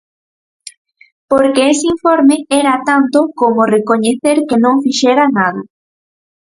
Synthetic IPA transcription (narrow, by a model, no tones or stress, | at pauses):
poɾkeeseiɱfoɾmeɛɾat̪ant̪okomorekoɲeθeɾkenõŋfiʃeɾanaðɐ